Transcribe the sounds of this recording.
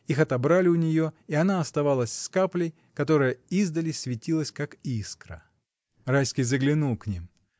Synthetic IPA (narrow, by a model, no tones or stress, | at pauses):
ixɐt̪ɐbɾalʲɪʊnʲɪjo̞iɐnaɐst̪ɐvalˠəsʲskaplʲəj | kɐt̪o̞ɾɨjəizd̪əlʲɪsʲvʲɪtʲilˠəsʲkakiskɾə̰ | rajskʲɪjzəɡlʲɪnulˠknʲim